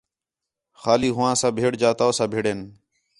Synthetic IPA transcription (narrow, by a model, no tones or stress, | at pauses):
xaːliːɦʊʋãːsãːbʱeːɽd͡ʒaːt̪aːoːsãːbʱeːɽeːn